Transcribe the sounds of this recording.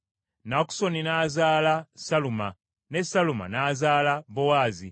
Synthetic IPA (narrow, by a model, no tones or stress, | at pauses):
naku̥so̞ninaːzaːlasaluma | nesaluma̰naːzaːlabowaːzḭ